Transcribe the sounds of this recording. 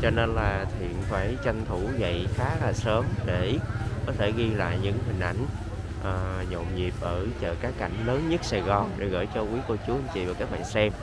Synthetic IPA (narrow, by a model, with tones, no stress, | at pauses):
t͡ɕɔ˧ne˧nlaː˨˩t̪ʰḭ˧˨ənfaː˧˩jt͡ɕə˧nt̪ʰu˧˩zə̰˧˨jxaː˨˦laː˨˩səː˨˦mɗe˧˩kɔ˨˦t̪ʰe˧˩ɣi˧la̰ː˧˨jɲɨ̰˧˥ŋɦï˨˩ŋ̟ʔa˧˩jŋ̟ | ʔəː˨˩ɲo̰˧˨wŋ͡mɲi˨˩əp̚ʔəː˧˩t͡ɕə̰ː˧˨kaː˨˦˥kːa˧˩jŋ̟ləː˨˦nɲə˦˥t̚saː˧˩ɣɔ˨˩ŋɗḛ˧˩ɣə̰ː˧˩jt͡ɕɔ˧kwi˨˦ko˧˩t͡ɕu˨˦hə˧ŋ̟t͡ɕḭ˧˨vaː˨˩kaː˦˥k̚ɓa̰ː˧˨nsɛ˧m